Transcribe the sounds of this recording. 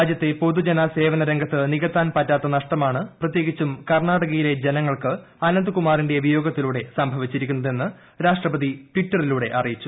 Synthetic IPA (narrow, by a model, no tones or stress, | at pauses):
aːd͡ʑjɐt̪ːe̞po̞ðud͡ʑenɐse̞ːʋɐnɐɾeŋɡʱɐt̪ːɨniɣɐt̪ːaːnpɐtːaːt̪ːɐnɐʂʈɐmaːɳɨprɐt̪je̞ːɡit͡ɕːumkɐrɳaːɽɐɣɐjile̞d͡ʑe̞nɐŋːɐɭkɨ | ɐnɐnd̪ɨkumaːrinɖe̞ubʱɐjo̞ːɡɐt̪ːiluːɽe̞sɐmbʱɐʋit͡ɕːiɾikʲːunːɐðe̞nːɨ | ɾaːʂʈrɐbɐðiʈʋiʈːɐriluːɽe̞ʔɐrijit͡ɕːu